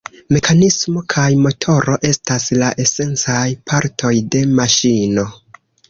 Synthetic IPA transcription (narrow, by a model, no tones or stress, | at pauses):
me̞kʰanismo̞kʰajmo̞tʰo̞ɾo̞ʔe̞staslaʔe̞se̞nt͡sajpʰaɾtʰo̞jde̞maʃino̞